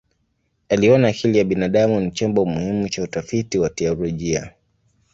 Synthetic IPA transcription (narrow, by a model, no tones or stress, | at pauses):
aliɔnaːkʰilijaɓinaɗamunit͡ʃɔmbɔmuhimut͡ʃautafitiwatɛɔlɔʄia̰